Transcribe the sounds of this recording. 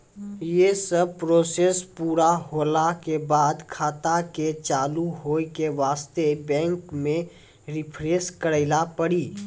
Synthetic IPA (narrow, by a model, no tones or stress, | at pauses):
jesəb̚pɾoːseːspuːɾaɦoːlakebaːd̪kʰaːt̪aket͡ʃaːluɦoːikeʋaːst̪ebɛ̃ːŋkmẽ | ɾɪpʰɾeːskəɾəɪlapəɽiː